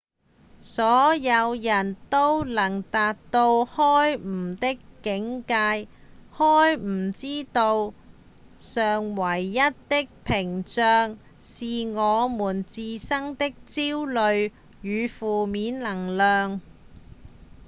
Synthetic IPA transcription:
sɔː˨˥jɐ˨˧wjɐ˨˩nt̪o˥wlɐ˨˩ŋt̪aː˨t̚t̪o˧whɔː˥jm̩˨˩t̪ɪ˥kkːɪ˨˥ŋkaː˧jhɔː˥jm̩˨˩t͡siː˥t̪o˧w | sœː˨ŋwɐ˨˩jːɐ˥t̚t̪ɪ˥k̚pʰɪ˨˩ŋt͡sœː˨˧ŋ | siː˨ŋɔː˨˧muː˨˩nt͡siː˧sɐ˥ŋt̪ɪ˥k̚t͡siː˥wlɵ˨˧ɥ | jyː˨˧fuː˨miː˨˥nlɐ˨˩ŋlœː˨ŋ

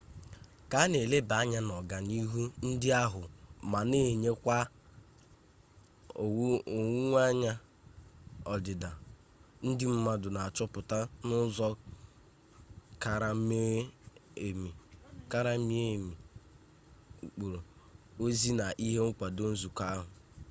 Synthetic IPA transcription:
ka˨˦ne˨le˦ba˨˦ɲa˦nɔ˨ɡa˨ni˦ɦu˦n̩˦dɪ˦a˦ɦʊ˨ma˨ne˦˨ɲe˦kʷa˦˨˦ | o˨˦ŋʷ˦a˦ɲa˦ | ɔ˨dɪ˨da˨ | n̩˦dɪ˦m̩˦ma˦dʊ˨na˨a˨t͡ʃɔ˦pʊ˨ta˦nʊ˦zɔ˦ | ka˨ɾa˨˦me˦e˨mi˨ka˦ɾa˦mi˦e˦˨mi˨ | k͡po˨ɾo˨ | o˦zi˦na˨ʔi˦ɦe˦ŋ̩˦kʷa˨do˦n̩˦zu˨ka˦ɦʊ˨

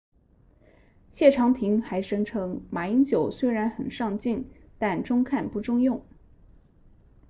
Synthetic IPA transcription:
ɕjɛ˥˩ʈ͡ʂʰɑ˧˥ŋt̪ʰi˧˥ŋxa˧˥ɪʂɤ˥ŋʈ͡ʂʰɤ˥ŋma˨˩i˧˥ŋt͡ɕjo˨˩ʊswe˥ɪɻa˧˥nxə˨˩nʂɑ˥˧ŋt͡ɕi˥˩ŋ | t̪a˥˩nʈ͡ʂʊ˥ŋkʰa˥˧npu˥˩ʈ͡ʂʊ˥ŋjʊ˥˩ŋ

